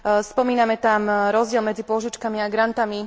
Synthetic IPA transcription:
spɔmiːnamɛt̪amɾɔzdɪɛlmɛd͡zipʊɔʒit͡ʃkamiaɡɾant̪ami

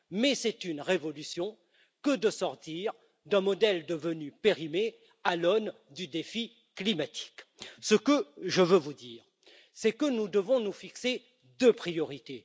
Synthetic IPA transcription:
mɛsɛt̪ynʁevɔlysjɔ̃ | kəd̪əsɔʁt̪iʁ | d̪ɛ̃mɔd̪ɛld̪əvənypeʁime | alɔn | d̪yd̪efi | klimat̪ʰi̥ksəkəʒəvøvud̪iːʁ | sɛkənud̪əvɔ̃nufikse | d̪øpχijɔʁit̪e

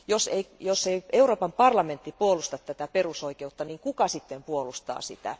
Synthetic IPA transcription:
joseijosːeieuroːpɑmpɑrlɑment̪ːipuolust̪ɑt̪t̪ːæt̪æperusoikeut̪ːɑniːŋkukɑsit̪ːempuolust̪ɑ̰ːsḭt̪æ̰

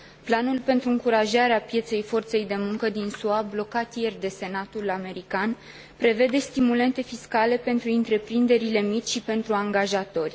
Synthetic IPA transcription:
planulpe̞nt̪ɾuɨŋkuɾaʒaɾeapje̞t̪se̞jfo̞rt̪se̞jd̪e̞muŋkəd̪insuablo̞kat̪je̞rd̪e̞se̞nat̪ulame̞ɾikan | pɾe̞ve̞d̪e̞st̪imule̞nt̪e̞fiskale̞pe̞nt̪ɾuɨnt̪ɾe̞pɾind̪e̞ɾile̞mit͡ʃʲʃipe̞nt̪ɾuaŋɡaʒat̪o̞rʲ

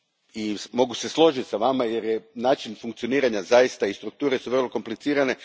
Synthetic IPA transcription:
imo̞ɡuse̞slˠo̞ʒit̪ʲsaʋamaje̞ɾjenaːt͡ʃinfuŋkt̪sioniːɾaɲazajist̪aist̪ɾuk̚t̪uːɾesuʋr̩lˠo̞ko̞mplit̪siːɾane̞

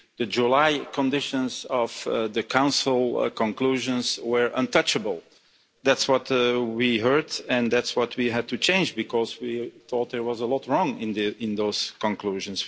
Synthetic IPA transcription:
ðɨd͡ʒulaɪkʰə̃ndɪʃə̃nzɔv̥ðɨkʰãʊ̃nsl̩ˠkə̃nkl̥uʒə̃nzwə˞ʔə̃ntʰʌt͡ʃəbəl̩ˠ | ðætswʌtwiɦɜ˞dɨ̃nðætswʌt̚ʰwiɦæd̚tut͡ʃʰẽɪ̃nd͡ʒbɨkʰɔzwiθɔt̪̚d̪ə˞wʌzəlɔtɹɔ̃ŋɪ̃nðɪ̃nðoʊz̥kə̃nkluʒə̃ns

